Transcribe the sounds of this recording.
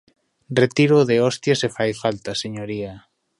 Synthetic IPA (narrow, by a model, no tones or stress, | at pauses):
ret̪iɾoðeɔst̪jasefajfalt̪aseɲoɾia